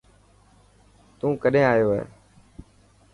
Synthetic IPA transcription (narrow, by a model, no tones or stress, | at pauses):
t̪ũːkəɗẽːaːjoːɦɛ̰ː